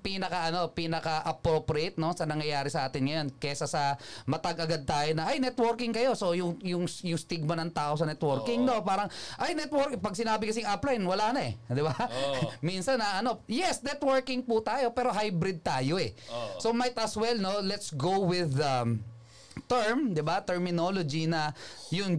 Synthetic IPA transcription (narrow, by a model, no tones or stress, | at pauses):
piːnɐkɐʔɐno̞piːnɐkɐʔɐpɾopɾejt̪̚no̞sɐnɐŋjɐjaːɾɪsɐʔaːt̪ɪnŋɐjo̞nkɛsɐsɐmɐt̪ɐɡɐɡad̪̚t̪aːjonɐʔɐjnɛt̪woɾkɪŋkɐjo̞so̞jʊŋjʊŋsjʊŋst̪iɡ̚mɐnɐŋt̪aːʔo̞sɐnɛt̪woɾkɪŋno̞paːɾɐŋʔɐjnɛt̪woɾkpɐɡ̚sɪnaːbɪkɐs̬ijŋʔɐplajnwɐlaːnɐʔɛ̰d̪ɪbaminsɐnɐʔɐno̞jɛsnɛt̪wɛɹkɪŋpʊt̪aːjo̞pɛːɾo̞ɦajbɾɪd̪̚t̪aːjoʔɛso̞mɐjt̪ɐswɛlnolɛt̪sɡowwɪðɐ | t̪ɛɹmd̪ɪbat̪ɛɹmɪnolod͡ʒinɐjʊŋ